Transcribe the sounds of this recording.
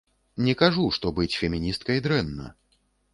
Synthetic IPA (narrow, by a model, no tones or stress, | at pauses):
nʲɛkaʐuʂt̪ɔbɨt͡sʲfʲɛmʲinʲist̪̚kɐjd̪ɾɛnːɐ̰